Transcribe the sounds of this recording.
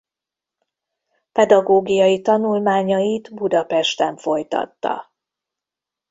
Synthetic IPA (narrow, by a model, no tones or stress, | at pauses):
pɛd̪ɒɡoːɡijɒjit̪ɒnulmaːɲɒjit̪bud̪ɒpɛʃt̪ɛɱfo̞jt̪ɒ̰t̪ːɒ̰